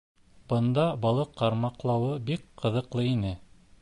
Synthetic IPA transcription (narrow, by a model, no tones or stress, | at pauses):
b̥ɤ̆nd̪ɑbɑlˠɤqːɑɾmɑqlˠɑwɤbikqɤ̆ðɤ̆qlˠɤinɘ